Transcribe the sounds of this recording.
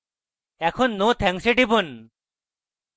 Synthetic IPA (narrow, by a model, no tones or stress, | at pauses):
ɛkʰonːot̪ʰɛŋsiʈibun